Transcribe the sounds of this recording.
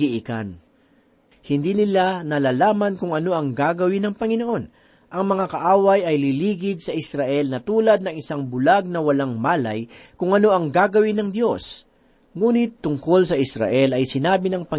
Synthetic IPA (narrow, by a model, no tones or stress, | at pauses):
iʔɪka̰n | hɪnd̪inɪlanɐlaːlaːmɐnkʊŋɐno̞ʔɐŋɡaːɡɐwɪnɐŋpɐŋɪno̞ʔo̞n | ʔɐŋmɐŋakɐʔaːwɐjɐjliliːɡɪd̪̚sɐʔɪsɾɐʔɛlnɐt̪uːlɐd̪̚nɐŋɪsaŋbʊlaɡ̚nɐwɐlaŋmaːlɐjkʊŋɐno̞ʔɐŋɡaːɡɐwɪnɐŋd̪jo̞s | ŋuːnɪt̪ːʊŋko̞lsɐʔɪsɾɐ̰ʔɛlɐjsɪnaːbɪnɐŋpɐ